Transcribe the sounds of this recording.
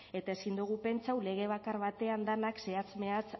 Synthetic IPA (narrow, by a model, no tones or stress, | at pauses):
e̞t̪ae̞sind̪uɣ̞upe̞nt͡sawle̞ɣ̞e̞β̞akaɾβat̪e̞and̪anakse̞at͡sme̞at͡s